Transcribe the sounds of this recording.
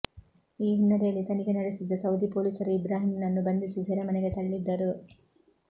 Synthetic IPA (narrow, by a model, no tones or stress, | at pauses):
iːɦinːɐɾejɐlːit̪ɐniɡenɐɽisid̪ːɐsɐwd̪ipoːlisɐɾuibɾaːɦimnɐnːubɐnd̪isisɛɾɐmɐneɡet̪ɐɽɐɭid̪ːɐɾu